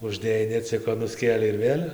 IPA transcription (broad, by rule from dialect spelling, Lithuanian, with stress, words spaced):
ʊʒʲˈdʲeːjɛɪ nʲɛˈt͡sʲɪkoː nʊˈsʲkʲeːlʲɛɪ ɪr ˈʋʲeːlʲ